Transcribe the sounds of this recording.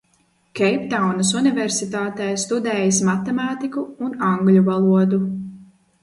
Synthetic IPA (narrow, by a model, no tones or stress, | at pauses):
kʲɛjpt̪awnɨsunivʲɛɾsit̪aːt̪ɛːjst̪ud̪ɛːjasmat̪ɛmaːt̪ikuːnaŋɡlʲuvalˠuɔd̪u